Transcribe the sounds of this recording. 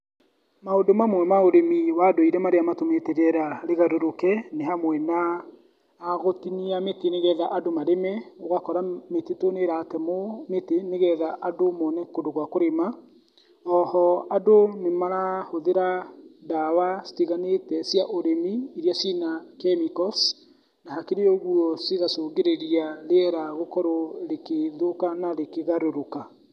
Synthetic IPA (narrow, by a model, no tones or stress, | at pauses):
maodomamwɛmaoɾemiwadoiɾɛmaɾeamatometɛɾɛɾaɾeɣaɾoɾokɛneɦamwɛnaː | ɣotiniameteneɣɛðaʔadomaɾemɛoɣakɔɾametetoneɾatɛmometeneɣɛðaʔadomɔnɛkodoɣwakoɾema | ɔhɔadonemaɾahoðeɾadawasi̥teɣanetɛsjaʔoɾemiiɾjasinakɛmikɔs | nahakeɾeɔɣuɔseɣasoːɣeɾeɾiaɾeɾaɣokɔɾɔɾekeðokanaɾekeɣaɾoɾoka